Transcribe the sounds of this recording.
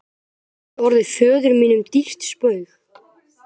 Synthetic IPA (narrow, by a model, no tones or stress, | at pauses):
ɔɾðɪfœːðʏɾmiːnʏmt̪ir̥t̪spœɥɣ